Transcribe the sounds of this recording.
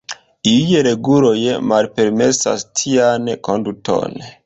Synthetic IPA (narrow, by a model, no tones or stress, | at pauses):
ijeɾe̞ɡulojmalpe̞ɾme̞sa̰stʰianko̞ndutʰo̞̰n